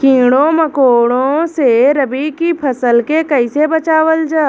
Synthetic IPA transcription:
kĩːɽõməkoːɽõseɾəbikipʰɐsəlkekɐɪsebɐt͡ʃaːwəld͡ʒaː

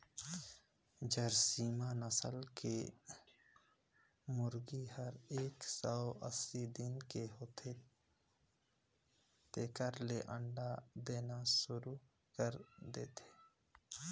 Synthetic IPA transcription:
d͡ʒəɾsiːmanəsə̰lke | mʊɾɡihəɾeːksɔʔəsid̪ɪnkeɦoːt̪ʰe | t̪eːkəɾleʔəɳɖad̪eːnasʊɾu | kəɾd̪ḛːt̪ʰe̥ː

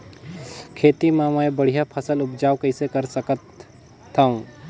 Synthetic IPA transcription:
kʰeːt̪imãmaːebɐɽ̤ijapʰəsəlʊpd͡ʒaːwkɐɪsekɐɾsəkət̪ʰː | aũ

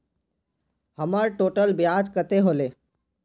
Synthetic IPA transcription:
həməɾʈoːʈəlbɪjaːd͡ʒkət̪eɦoːleː

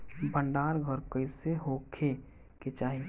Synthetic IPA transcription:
bə̃ɳɖaːɾɡʱəɾkəɪseɦoːkʰe | ket͡ʃaːɦi

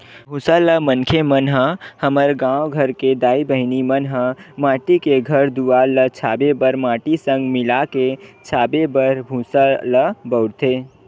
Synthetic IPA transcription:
bʱũsaləmənkʰemənɦəhəməɾɡãːwɡʱəɾked̪aːibəɦɪnimənɦəmãːʈikeɡʱəɾd̪uʋalət͡ʃʰaːbebəɾmaːʈisə̃ŋɡmɪlaket͡ʃʰaːbebəɾbʱũsaləbəʊɾt̪ʰe

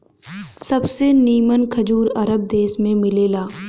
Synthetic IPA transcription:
sɐbseniːmənkʰɐd͡ʒuːɾɐɾəb̚d̪eːsmẽmɪleːlaː

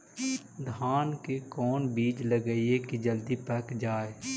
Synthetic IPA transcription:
d̪ʱaːnkekɔːnbiːd͡ʒləɡəiekid͡ʒəld̪ipəkd͡ʒaːe

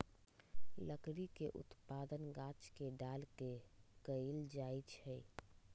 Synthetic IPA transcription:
ləkɾikeʔʊ̰t̪pad̪ənɡãt͡ʃkeɖalkekəild͡ʒajt͡ʃʰɛj

